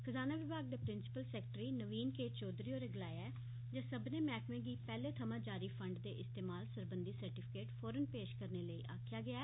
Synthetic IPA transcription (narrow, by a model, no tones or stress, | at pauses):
kʰəzaːnaːʋɪbaːɡ̚d̪eːpɾɪnsɪ̥pəlsɛːk̚ʈɾiːnəʋiːnkeːt͡ʃoːd̪ɾiːoːɾeɡɪlaːjaɛː | d͡ʒaːsəbneːmɛːkmẽːɡiːpɛːleːt̪ʰəmãːd͡ʒaːɾiːpʰə̃ɳɖd̪eːʔɪst̪eːmaːlsəɾbənd̪iːsəɾʈɪpʰɪ̥keːʈfʰɔːɾənpeːʃkəɾneːləiːʔaːkʰjaːɡɪaː